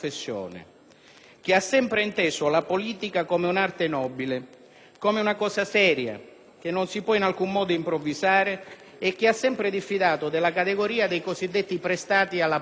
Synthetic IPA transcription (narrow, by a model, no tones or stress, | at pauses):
fesːjo̰ːnɪ̰ | k̟ɪasːɛmpɾɪint̪eːsʊalapoliːt̪ikakomeunart̪ɪnɔːbilɪ | kɔmɪunakɔːsasɛːɾja̰ | k̟enːonsipwɔinalkumːɔːd̪ʊimpɾovːizaːɾɪː | k̟ːiasːɛmpɾɪd̪ifːid̪aːt̪ʊd̪ɪlakat̪eɡoɾiːad̪ejkosid̪ːet̪ːipɾest̪aːt̪ialːa